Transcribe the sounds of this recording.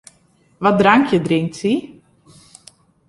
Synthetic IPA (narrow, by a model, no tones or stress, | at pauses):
ʋɔdraŋkjədrɪŋk̚tsi